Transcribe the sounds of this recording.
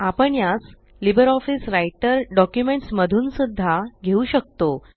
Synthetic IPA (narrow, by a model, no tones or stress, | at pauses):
apəɳjas | libəɾɔfisɾajʈəɾɖɔkjumeɳʈsməd̪ʱuːnsud̪ʱːaɡʱeuɕək̚t̪o